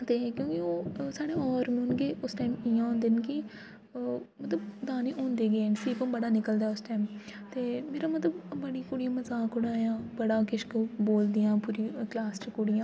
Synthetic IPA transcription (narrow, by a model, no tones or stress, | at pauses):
t̪eːkjõːkioːsaːɽeːɔːɾmnɡeːʔʊsʈaːimɪjãːõːnd̪eːnkɪ | mət̪ləbd̪aːniːʔõːnd̪eːɡeːnsiːpəmbəɽaːnɪkəld̪aɛːʊsʈaːmt̪eːmeːɾaːmət̪ləbbəɽiːkʊɽijãːməzaːkʊɽaːjãːbəɽaːkɪʃkboːld̪ijãːpuːɾiːklaːsʈəkʊɽijãː